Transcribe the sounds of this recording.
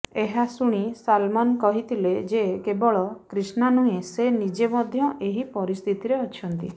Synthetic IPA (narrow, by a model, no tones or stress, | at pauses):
eɦasuɽ̃isalmɔnkɔɦit̪ʰiled͡ʒekebɔɭɔkɾisnanuesenid͡ʒemɔd̪ʱjɔʔeɦipɔɾist̪ʰit̪iɾeɔt͡ʃʰɔnt̪i